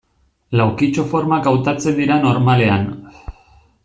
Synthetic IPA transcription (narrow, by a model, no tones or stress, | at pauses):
lawkit͡ʃo̞fo̞ɾmakawt̪at͡se̞nd̪iɾano̞ɾmale̞an